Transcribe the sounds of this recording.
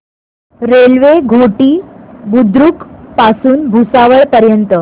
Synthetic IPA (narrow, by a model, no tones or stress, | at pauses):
ɾelʋeɡʱoʈiːbud̪ɾukpasuːnbʱusaʋəɭpəɾjənt̪ə